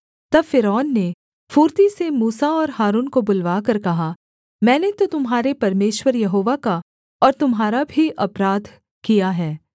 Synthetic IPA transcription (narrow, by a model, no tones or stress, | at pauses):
t̪ɐbfɪɾɔːnːe | fuːɾt̪isemuːsaɔːɾɦaːɾuːnkobʊlʋaːkɐɾkɐɦa | mɛ̃ːnet̪ot̪ʊmɦaːɾepɐɾmeːʃwəɾjɐɦoːʋaka | ɔːɾt̪ʊmɦaːɾabʱiʔɐpɾaːd̪ʱ | kijaɦɛː